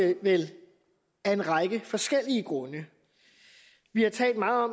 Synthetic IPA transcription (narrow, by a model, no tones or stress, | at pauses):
ʋel | æe̝nʁɑ̈ɪɡ̥əfɒ̽sɡ̥el̰iəɡ̥ʁɔ̽nə | ʋihɑ̈t͡sʰɛ̰ːld̥̚mɑ̈ːð̩ˠɒ̽m